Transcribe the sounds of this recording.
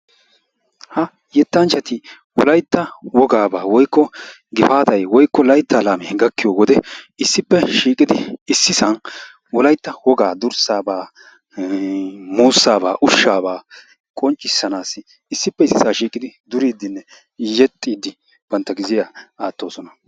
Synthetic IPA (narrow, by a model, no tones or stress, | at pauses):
hɐ | jɛt̪ːɐnt͡ʃːɐt̪ɪ | wɔ̰lɐjt̪ːɐwɔɡaːbaːwɔjkːɔ | ɡɪfaːt̪ɐjwɔjkːɔlɐjt̪ːaːlaːmɛɡɐkːɪjoːwɔd̪ɛɪsːɪpːɛʃiːkʼɪd̪ɪɪsːɪsɐn | wɔlɐjt̪ːɐwɔɡaːd̪ʊɾsaːbaː | muːsːaːbaːʔʊʃːaːbaː | kʼɔnt͡ʃʼːɪsːɐnaːsɪ | ɪsːɪpːɛɪsːɪsaːʃiːkʼɪd̪ɪd̪ʊɾiːd̪ɪnːɛ | jɛt̪ʼːiːd̪ɪ | b̥ɐnt̪ːɐɡɪzɪjaaːt̪ːo̞ːsɔnɐ